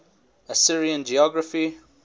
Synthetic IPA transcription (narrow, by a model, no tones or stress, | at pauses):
əsɪɹiə̃nd͡ʒiɔɡɹəfi